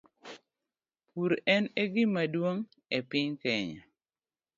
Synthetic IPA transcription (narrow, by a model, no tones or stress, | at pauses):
puɾɛneɡɪmadwoŋ | ɛpɪɲkɛɲa̰